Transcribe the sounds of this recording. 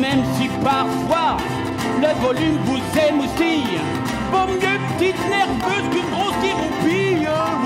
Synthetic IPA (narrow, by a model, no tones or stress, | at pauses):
mɛmsipaʁfwa | ləvɔlymvuzɛmusi | pomjøpət̪it̪nɛʁvøzkynɡʁosiʁũpi